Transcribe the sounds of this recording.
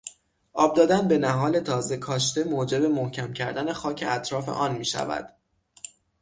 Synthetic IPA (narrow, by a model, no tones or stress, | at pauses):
ʔɒːb̚d̪ɒːd̪ænbe̞næɦɒːle̞t̪ʰɒːze̞kʰɒːʃt̪e̞moːd͡ʒe̞be̞mohcʰæmcʰæɾd̪æne̞xɒːcʰe̞ʔæt̪ʰɾɒːfe̞̰ʔɒːnmiːʃæ̰væ̰d̪̥